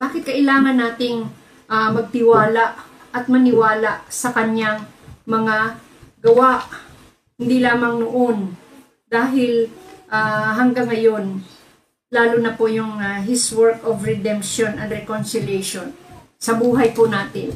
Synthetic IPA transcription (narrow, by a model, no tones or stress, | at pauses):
baːkɪt̪̚kɐʔɪlaːŋɐnːaːt̪ɪŋ | ʔamɐɡ̚t̪ɪwaːlaʔ | ɐt̪̚mɐnɪwaːlaʔsɐkɐɲaŋmɐŋa | ɡɐwaʔ | hɪnd̪ilaːmɐŋnoʔon | d̪aːɦɪlʔaɦɐŋɡaŋːɐjo̞n | laːlʊnɐpojʊŋaɦɪswɛɹkovɾɛd̪ɛmpʃonɐnɾɛkonsɪljɛjʃon | sɐbuːɦɐjpʊnaːt̪ɪn